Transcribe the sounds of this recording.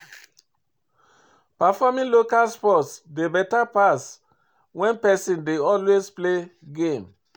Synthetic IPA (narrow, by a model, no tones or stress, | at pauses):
pafɔmĩnlokalspɔtsdebɛtapas | wɛ̃npɛsĩndeɔlwespleɡẽm